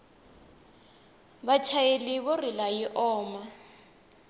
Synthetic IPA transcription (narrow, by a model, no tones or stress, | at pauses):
bat͡ʃʰajelɪβɔrilajiʔɔːma